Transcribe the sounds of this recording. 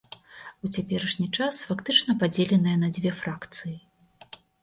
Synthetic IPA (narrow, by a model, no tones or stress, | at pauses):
ut͡sʲapʲɛɾɐʂnʲit͡ʂasfakt̪ɨt͡ʂnɐpad͡zʲɛlʲɛnɨjɐnɐd͡zʲvʲɛfɾakt̪sɨji